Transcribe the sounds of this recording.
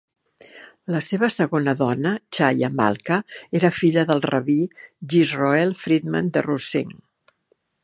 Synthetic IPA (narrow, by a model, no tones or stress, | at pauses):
ləseβəsəɣonəðɔnət͡ʃajə̰ma̰lˠkəeɾəfiʎəðəlˠrəβiʒizroɛlˠfɾid̪mə̰nd̪ə̰rusḭŋ